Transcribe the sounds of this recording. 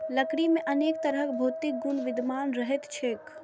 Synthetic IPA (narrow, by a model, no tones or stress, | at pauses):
ləkɽimẽʔəneːk̚t̪əɾəkbʱoːt̪ɪk̚ɡʊnʋɪd̪ʱmaːnɾəɦɛt̪t͡ʃʰek